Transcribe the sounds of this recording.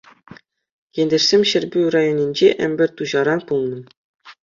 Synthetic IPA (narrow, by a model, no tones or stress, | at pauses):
jĕnʲdʲĕrsʲemʲɕɘ̆rʲbʲyrɑjonʲinʲd͡ʑeʔɘ̰̆mʲbʲɘ̆rʲt̪uʑɑɾɑnpulˠnɤ̆